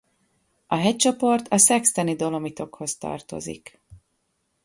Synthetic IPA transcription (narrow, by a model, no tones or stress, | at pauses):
ɒɦɛc̚t͡ʃo̞po̞rt̪ʰɒsɛkst̪ɛnid̪o̞lo̞mit̪o̞kho̞st̪ɒ̰rt̪o̰zḭk